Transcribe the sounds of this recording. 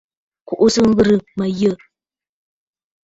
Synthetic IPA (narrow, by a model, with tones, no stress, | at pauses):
ku˨ʔu˦sɨ˦ŋ̩˦ɣɨ˦ɾɨ˨ma˨jə˦˨